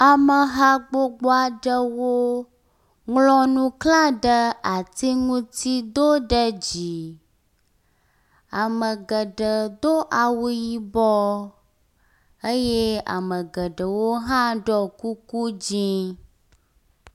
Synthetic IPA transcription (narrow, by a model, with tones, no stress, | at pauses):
a˨mə˨ɦa˦ɡ͡bo˦ɡ͡bo˦a˨ɖə˦wo˦ | ŋlɔ̃˦nũ˦klã˦ɖə˦a˨t̪i˦ŋũ˦t̪i˦d̪o˦ɖə˦d͡ʑi˨ | a˨mə˨ɡə˨ɖə˨d̪o˦ʔa˨wu˦ji˦bɔ˦ | ə˦je˦a̰˨mə̃˨ɡə˨ɖə˨wo˦ɦã˦ɖɔ˦ku˦ku˦d͡ʑĩ˦